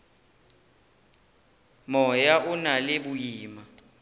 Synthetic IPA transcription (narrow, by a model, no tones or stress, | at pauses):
mɔjaʔunaleɓujiːma